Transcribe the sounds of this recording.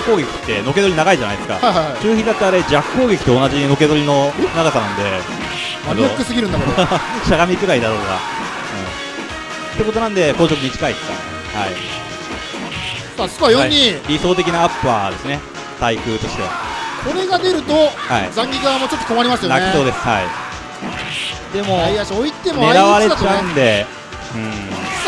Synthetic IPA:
kːo̞ːɡe̞kʲi̥t̪ːe̞no̞ke̞d̪oinaɡaiʑana̰jd̪e̞sɨ̥ka̰ajhahat͡ɕɨːçĩnd̪at̪ːeaɾe̞d͡ʑakːo̞ːɡʲe̞kʲi̥t̪ːeonad͡ʑino̞ke̞d̪o̞ɾʲino̞naɡasanãnd̪e̞ | majakɯ̟sɨɡʲiɾɯ̟nd̪akeɕaɡamʲikɯ̟ɾaid̪aɾoːt̪oka̰ | ɯ̃ː | t̪ːe̞ko̞t̪o̞nãnd̪e̞ko̞ːɕo̞kɯ̟ɲ̟it͡ɕi̥kaid̪esɨ̥ka̰ | ha̰i | sasɨ̥koajõɲːiɾʲiso̞ːt̪e̞kʲinaːpːɯa̰d̪e̞sɨne̞ | t̪aikɯ̟ːt̪o̞ɕi̥t̪e̞̰kʰo̞ɾe̞ɡad̪e̞ɾɯ̟t̪o̞haizãŋɡʲiɡaamo̞t͡ɕot̪ːoko̞maɾʲimasɨjonaki̥oːd̪e̞sɨ̥ha̰i | d̪e̞mo̞aiasoit̪ːe̞moeaɾaβaɾe̞at͡ɕaɯ̃nd̪e̞ | ɯ̟̃

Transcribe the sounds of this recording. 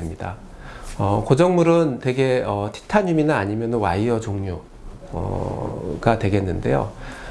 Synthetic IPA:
emɲida̰ | ʌkod͡ʑʌŋmuɾɯntwe̞ɡe̞ʌtʰi̥tʰaɲuminaːɲimjʌnɯnwa̰iʌd͡ʑoŋɲo | ʌ̰ | ɡ̥atwe̞ɡe̞nːɯnde̞̰jo̰

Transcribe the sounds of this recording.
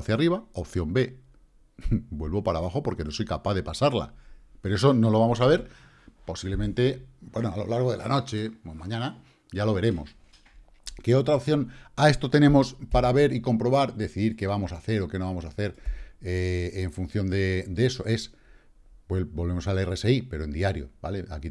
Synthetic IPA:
θjariβao̞p̚θjo̞mbe̞ | bwe̞lβo̞paɾaβaxo̞po̞ɾke̞no̞so̞jkapaðe̞pasaɾla̰peɾoe̞s̬o̞no̞lo̞β̞amo̞saβ̞e̞ɾ | po̞siβle̞mẽnt̪e̞bwe̞noalo̞̰laɾɣ̞o̞ð̞e̞̰la̰no̞t͡ʃe̞mãɲãna | ʝalo̞βe̞ɾe̞mo̞s | keo̞t̪ɾaopθjo̞nae̞st̪o̞t̪e̞nẽ̞mo̞spaɾaβe̞ɾiko̞mpɾo̞βaɾd̪e̞θiðiɾke̞β̞amo̞saθe̞ɾo̞ke̞no̞β̞amo̞saθe̞ɾeːɱfun̟θjo̞nd̪e̞d̪ee̞so̞ʔe̞s | bwelbo̞lβe̞mo̞salerese̞ipe̞ɾo̞e̞nd̪iaɾjo̞̰bale̞a̰ki

